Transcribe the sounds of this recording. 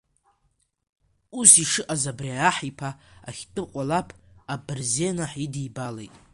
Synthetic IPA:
usiʂɨʔazabriajaħipʰaa̰χʲtʼɨqʷʼalapʰabɨrze̞naħidijbalejtʼ

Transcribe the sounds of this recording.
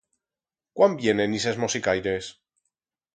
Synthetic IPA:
kwambjenenisezmosikajɾes

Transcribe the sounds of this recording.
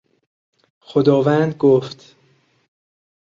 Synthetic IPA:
xod̪ɒːvænd̪ɡoft̪

